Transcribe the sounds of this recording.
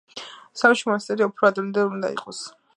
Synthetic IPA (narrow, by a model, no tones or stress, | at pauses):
samʃimɔnast̪sʼɛɾiɔpʰɾɔad̪ɾɛmnd̪ɛund̪a̰ḭqʼɔs